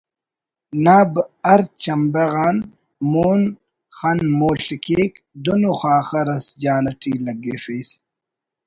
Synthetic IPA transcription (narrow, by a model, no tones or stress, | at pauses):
naːbɐɾt͡ʃt͡ɕɐmbeɣaːn | muːn | xɐnmoːɬikeːk | d̪unuxaːxɐɾɐsd͡ʑaːnɐʈʰiːlɐɡeːfiːs